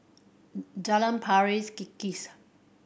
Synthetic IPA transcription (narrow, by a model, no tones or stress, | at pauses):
d͡ʒaləmpʰaɹiskikːis